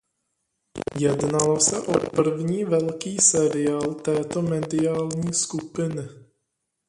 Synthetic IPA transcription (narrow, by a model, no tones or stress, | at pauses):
jɛdnalosɛʔopr̩vɲiːvɛlkiːsɛɾɪaːlt̪ɛːt̪omɛdɪaːlɲiːskupɪnɪ